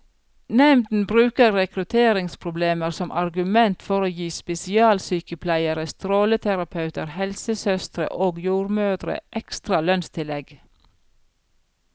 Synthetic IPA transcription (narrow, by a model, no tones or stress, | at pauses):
nɛmd̪n̩bɾʉːkəɾɾɛkɾʉt̪ʰeːɾɪŋspʰɾʊbleːməɾsɔmʔɑɾɡʉmɛnt̪fɔɾoːjiːspɛsɪɑːlsyːkəpʰlæɪəɾəst̪ɾoːlət̪ʰæɾɑpʰɑʉt̪əɾhɛlsəsœst̪ɾə̰ʔoːɡjuːɾmøːd̪ɾə̰ʔɛkst̪ɾɑlœnst̪ʰɪlɛɡ